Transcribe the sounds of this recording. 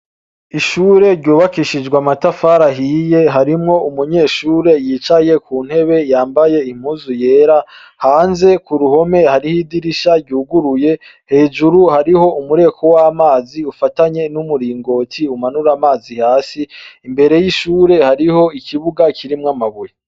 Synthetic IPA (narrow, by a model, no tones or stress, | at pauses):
iʃuːɾe̞ɾɟuːβakiʃid͡ʒɡwamatafaːɾaɦije̞ɦaɾimŋo̞umuɲe̞ːʃuːɾe̞jiːt͡ʃaje̞kuːn̥he̞βe̞jaːmbaje̞im̥huːzuje̞ːɾa | haːnze̞kuɾuɦo̞me̞haɾihidiɾiʃaɾɟuːɡuɾuje̞ | he̞ːʒuɾuhaɾiho̞umuɾe̞ːkʰo̞waːmaːziufataɲe̞numuɾiːŋɡo̞ːtʰiumanuɾamaːzihaːsiːmbe̞ɾe̞jiʃuːɾe̞haɾiho̞ikʰiβuɡakʰiɾimŋamaβuje